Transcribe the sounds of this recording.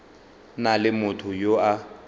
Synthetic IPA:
nalɪmʊtʰʊjoa

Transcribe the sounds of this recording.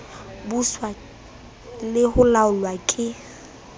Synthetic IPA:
buswa | lɪhʊlaʊlwakʼɪ

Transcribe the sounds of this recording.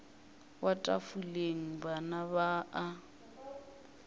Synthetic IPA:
watʼafuleŋ̩banaβaʔa

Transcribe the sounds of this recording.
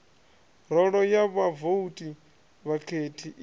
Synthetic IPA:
ɾɔɺɔjaβavoutʼi | βakʰetʰiʔ

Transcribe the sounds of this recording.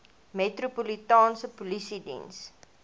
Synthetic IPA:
metropolitɑːnsəpolisidḭns

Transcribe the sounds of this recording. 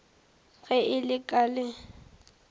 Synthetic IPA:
ɣɛʔɪlɪkʼalɪ

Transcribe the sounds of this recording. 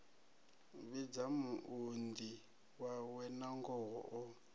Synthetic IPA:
βid͡zamuʔundi | wawɛnaŋɡɔɦɔʔɔ

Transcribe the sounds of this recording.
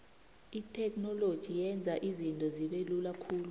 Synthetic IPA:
itʰʼɛknɔlod̥ʒ̥ʱijɛnd͡zʱaʔizintʼɔziɓelulakʰuːlu

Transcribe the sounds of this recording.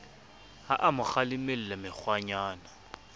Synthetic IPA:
haʔamʊχalɪmel̩lamɪk͡xwaɲaːna

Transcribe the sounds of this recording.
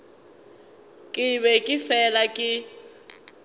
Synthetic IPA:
kʼɪβɛkʼɪfɛlakʼɪ

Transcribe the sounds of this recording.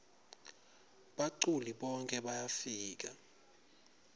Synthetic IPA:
ɓaǀuliɓɔŋkʼɛɓajafiːk̬a

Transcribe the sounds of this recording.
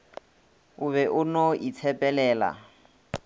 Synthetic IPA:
ʊβɛʔʊnɔʔit͡sʰɛpʼɛlɛːla̰

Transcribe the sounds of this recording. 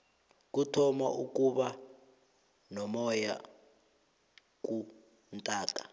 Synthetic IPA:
k̬utʰɔma̰ʔuk̬ʼuɓa | nɔmɔja̰ | k̬u | ntʼaːk̬ʼa

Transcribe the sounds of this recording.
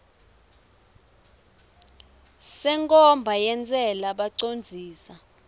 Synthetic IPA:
sɛŋkʼɔmbʱajɛnt͡sʼɛlaɓaǀond͡zʱiːsa

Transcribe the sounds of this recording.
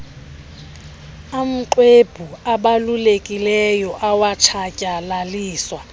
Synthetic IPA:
am̩ǃweb̥ʱuaɓalulekʼilɛjɔʔawat͡ʃʰacʼalaliːswa

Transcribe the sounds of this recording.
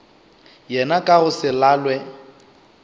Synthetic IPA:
jɛnakʼaɣʊsɪlaːlwɛ

